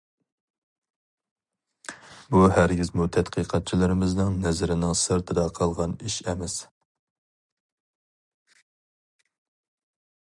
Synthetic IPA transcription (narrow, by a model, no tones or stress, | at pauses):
buɦæɾɡʲizmud̪ʰɛt̪qʰiqʰɑt̪̚t͡ʃʰilɪɾɪmɪznɪŋnɛzɾɪnɪŋsɨɾt̪ʰɨd̪ɑqʰɑlˠʁɑniʃɛmɛs